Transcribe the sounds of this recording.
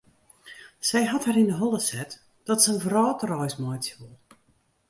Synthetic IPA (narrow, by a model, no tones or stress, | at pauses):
sɛjɦɔtharindəɦɔlˠəsɛt | d̥ɔtsənvrɔːtərɔjsmɔjtjulˠ